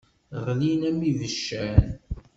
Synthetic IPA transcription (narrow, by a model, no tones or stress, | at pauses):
ʁlinæmiðəʃːæn